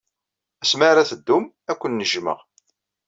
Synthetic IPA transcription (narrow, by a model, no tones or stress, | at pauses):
æsmaɾæθəd̪ːum | ækʷːənːəʒmə̰ʁ